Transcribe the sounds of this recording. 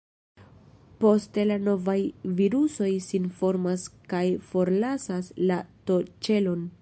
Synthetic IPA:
po̞ste̞lano̞vajviɾuso̞jsinfo̞ɾmaskajfo̞ɾlasaslato̞t͡ʃe̞lo̞n

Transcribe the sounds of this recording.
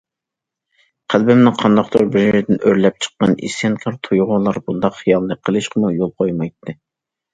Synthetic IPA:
qʰælbɪmnɪŋqʰɑnd̪ɑχt̪ʰoɾbɪɾʒeɾd̪ɪnøɾlɛp̚t͡ʃʰə̥qːɑ̰nḭsɛnkʰɑɾt̪ʰojʁʊlˠɑɾbund̪ɑqχijɑlˠːəqʰːəlˠɨʃqʰəmujolˠqʰojmɑjt̪ʰːɨ

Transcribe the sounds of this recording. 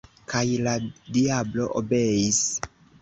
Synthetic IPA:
kajladiablo̞ʔobe̞is

